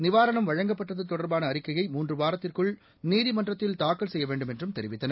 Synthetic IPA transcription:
nɪʋaːɾɐnɐmʋɐɻɐŋɡɐpːɐʈːɐðɐt̪ːɔɽɐɾbaːnɐːɾɪkːɐjɐɪmuːndrɯʋaːɾɐt̪ːɪrkɯɭ | niːðimɐndrɐt̪ːɪlt̪aːkːɐɭsɛjːɐʋeːɳɖɯmɛndrɯmt̪ɛɾɪʋɪt̪ːɐnɐ

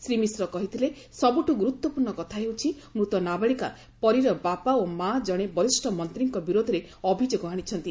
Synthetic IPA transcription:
sɾimisɾɔkɔɦit̪ʰile | sɔbuʈuɡuɾut̪wɔpuɾɳɔkɔt̪ʰaɦewt͡ʃʰi | mɾut̪ɔnabeɭika̰ | pɔɾiɾɔbapaomad͡ʒɔɽ̃ebɔɾisʈʰɔmɔnt̪ɾiŋkɔbiɾod̪ʱɔɾeɔbʱid͡ʒoɡɔaɽ̃it͡ʃʰɔnt̪i

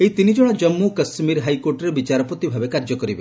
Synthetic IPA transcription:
ejt̪inid͡ʒɔɽ̃ɔd͡ʒɔmːukɐsmiɾɦajkoɾʈɔɾebit͡ʃaɾɔpɔt̪ibʱabekaɾd͡ʒɔkɔɾibe

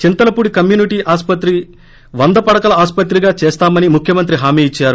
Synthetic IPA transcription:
t͡ʃint̪ɐlɐpuɽikɐmjuːniʈiːʔaːspɐt̪ɾi | ʋɐnd̪ɐpɐɽɐkɐlɐaːspɐt̪ːɾiɡaːt͡ʃɛːst̪aːmɐnimukʰjɐmɐnt̪ɾiɦaːmiːit͡ʃːaːɾu

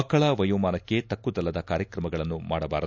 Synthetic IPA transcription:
ɐkːɐɭɐʋɐjuːmaːnɐkkːe̞t̪ɐkːud̪ɐlːɐd̪ɐkaːɾjɐkɾɐmɐɡɐɭɐnːumaːɽɐbaːɾɐ

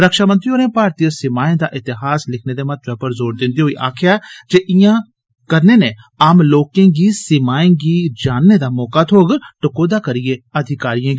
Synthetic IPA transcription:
ɾəkʃaːmə̃nt̪ɾiɦoːnẽːpaːɾt̪ijəsɪmaːẽːd̪aːʔɪt̪ɪɦaːslɪkʰneːd̪emət̪̚ʋɛːpəɾzoːɾd̪ɪ̃nd̪iɦoːiːʔa̰ːkʰɪjaːd͡ʒeːʔɪjãː | kəɾneːnẽː | aːmloːkẽːɡisɪmaːẽɡiːd͡ʒaːnːed̪aːmɔːkaːt̪ʰoːɡʈəkoːd̪aːkəɾieəd̪ʱɪkaːɾijãːɡ

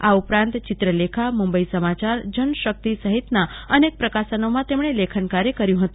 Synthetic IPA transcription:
aupɾãnt̪t͡ʃɪt̪ɾəlekʰamumbəisəmat͡ʃaɾd͡ʒənʃək̚t̪isəɦit̪naənek̚pɾəkasənomãt̪emɳ̃elekʰənkaɾjekəɾjũɦət̪ũ

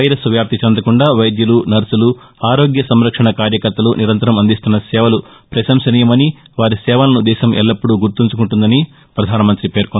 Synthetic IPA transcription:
ɐjɾɐsʋjaːp̚t̪ʰit͡ʃɐnd̪ɐkuɳɖaːʋɐjd̪jɐlunɐɾsulu | aːɾoːɡjɐsɐmɾɐkʂɐɳɐkaːɾjɐkɐɾt̪ːɐluniɾɐnt̪ɐɾɐmɐnd̪ist̪unːɐsɛːʋɐlu | pɾɐʃɐmsɐnijɐmɐni | ʋaːɾisɛːʋɐlɐnud̪ɛːʃɐmɛ̰lːɐpːuɽuɡuɾt̪uɲt͡ʃukuɳʈund̪ɐni | pɾɐd̪ʱaːnɐmɐnt̪ɾipe̞ːɾkon

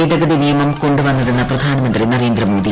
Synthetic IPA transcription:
eːd̪ɐɡɐd̪inijɐmɐmko̞ɳɖuʋɐnːiɽenːɐprɐd̪ʱaːnɐmɐnd̪rinɐɾeːnd̪rɐmoːd̪i

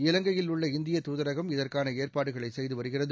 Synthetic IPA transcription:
ɪlɐŋɡɐjɪlʊɭːɐɪnd̪ɪjɐt̪uːðɐɾɐɣɐmɪðɐrkaːnɐeːrpaːɽɯɣɐɭɐɪsɛjðɯʋɐɾɯɣɪrɐðɯ

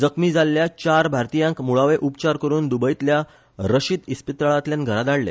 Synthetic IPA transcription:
d͡zəkmiːd͡zalːjat͡ɕaɾbʱaɾt̪ijãŋkmuɭaʋeʔupt͡ɕaɾkəɾuːnd̪ubəit̪lja | ɾəɕid̪ispit̪ɾəɭat̪ljãnɡʱəɾad̪aɽlḛ

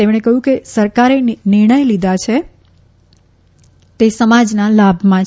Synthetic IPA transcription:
emɽ̃ekəɦjũkesəɾkaɾenɪɾɳ̃əjlid̪ʱat͡ʃʰe | t̪esəmad͡ʒnalabʱmãt͡ʃʰ

